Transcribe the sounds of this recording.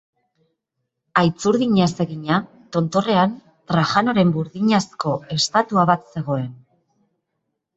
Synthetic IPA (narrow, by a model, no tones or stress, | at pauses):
ajt͡suɾðiɲase̞ɣiɲa | t̪o̞nt̪o̞re̞an | t̪ɾaʝano̞ɾe̞mbuɾðiɲasko̞e̞st̪at̪uaβat̪se̞ɣ̞o̞e̞n